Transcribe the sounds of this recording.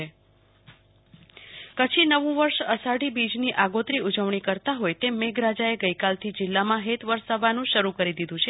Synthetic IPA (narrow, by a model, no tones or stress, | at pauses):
e | kət͡ʃʰinəʋũʋəɾʃəsaɖibid͡ʒniʔaɡot̪ɾiud͡ʒəʋɳ̃ikəɾt̪aɦojt̪emeɡɾad͡ʒaeɡəjkalt̪ʰid͡ʒɪlːamãɦet̪ʋəɾsəʋanũʃəɾukəɾid̪id̪ũt͡ʃʰe